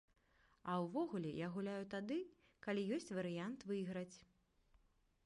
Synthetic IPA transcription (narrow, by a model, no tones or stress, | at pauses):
ɐwvɔɣulʲɛjaɣulʲajut̪ad̪ɨ | kalʲijɔsʲt͡sʲvɐɾɨjant̪vɨɣɾɐt͡sʲ